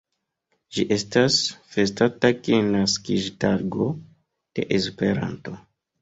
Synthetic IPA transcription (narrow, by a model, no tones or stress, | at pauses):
d͡ʒiʔe̞stasfe̞statakenaskiʒtaɾɡo̞ | d̥e̞̰ʔespe̞ɾa̰nto̞